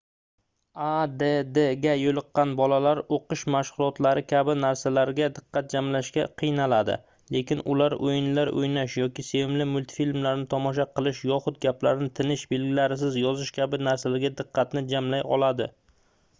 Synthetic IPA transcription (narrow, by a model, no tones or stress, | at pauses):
ad̪ed̪eɡʲajolˠɨqːɑnbɒlalaɾoqɨʃmaʃχʊlˠɒt̪laɾɪkʲʰabɪnaɾsalaɾɡʲad̪ɪqːɑt̪̚d͡ʒamlaʃkʲa̰qʰɨjnalad̪ɪ̰ | le̞kʲɪnʊ̰laɾojɪnlaɾo̰jnaʃjɒkʲɪse̞vɪmlɪmʊlʲt̪ʰfilmlaɾnɪt̪ʰɒmɒʃ̬aqʰɨlˠɪʃjɒχʊt̪̚ɡʲaplaɾnɪt̪ʰɪnɪʃbe̞lɡʲɪlaɾɪs̬ɪzjɒzɪʃkʲʰabɪnaɾsalaɾɡʲad̪ɨqʰːɑt̪nɪd͡ʒamlajɒ̰lˠad̪ɪ̰